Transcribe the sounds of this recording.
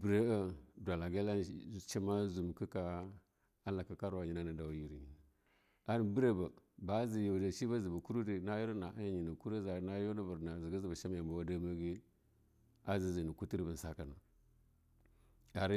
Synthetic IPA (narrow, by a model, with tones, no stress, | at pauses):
bɾe˦a˦dʷa˨la˨ɡa˦la˦t͡ʃa˦ma˦zu˨m˨ki˦ka˦ | a˦la˨ka˨ka˦ɾwa˨ɲi˨na˦na˨da˨wji˨ɾi˨ | a˦n˨bi˦ɾe˦ba˨ba˨˦zi˨jo˨da˨ʃi˦ba˦zi˨ba˨ku˦ɾu˦di˨na˦ju˦ɾna˨ʔa˦ja˦ɲi˨ni˨ku˦ɾe˦za˨˦na˦jo˦na˦bə˨ɾna˨zi˨ɡi˦zi˨ba˨ʃa˦m˦ja˨mba˨wa˦da˦ma˦ɡi˦ | a˦zi˨zi˨ni˨ku˦ti˦ɾbə˨n˨sa˦ka˨na˨ | a˨ɾ